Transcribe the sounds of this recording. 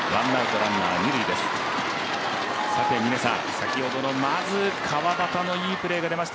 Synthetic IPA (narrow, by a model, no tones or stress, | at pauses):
βãnːaɯt̪o̞ɾãnːaːɲiɾɯ̟id̪e̞sɨ̥ | sat̪e̞mʲinesa̰ | sakʲiho̞d̪o̞no̞mazɨkʰaβabat̪ano̞iːpɯ̟ɾe̞ːɡad̪e̞maɕi̥t̪a